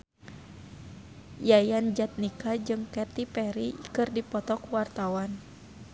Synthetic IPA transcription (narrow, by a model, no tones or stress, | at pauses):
jajand͡ʒat̪̚nikad͡ʒɨŋkɛt̪ipɛɾikɨrdipɔt̪ɔkwart̪awan